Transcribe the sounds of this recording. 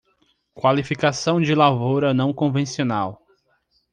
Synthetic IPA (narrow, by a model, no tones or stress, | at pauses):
kwalifikasɐ̃w̃d͡ʒɪlavowɾɐnɐ̃w̃kõvẽsionaw